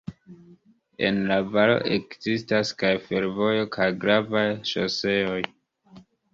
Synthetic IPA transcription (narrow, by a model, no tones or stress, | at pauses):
e̞̰nlavalo̞̰ʔekz̥istaskajfe̞ɾvo̞jo̞kʰajɡɾavajʃo̰se̞o̞j